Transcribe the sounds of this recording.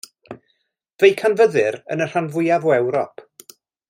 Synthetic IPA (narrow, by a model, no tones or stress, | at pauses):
vejkʰanvəðɨɾə̰nər̥anvʊjavɔɛwɾɔpʰ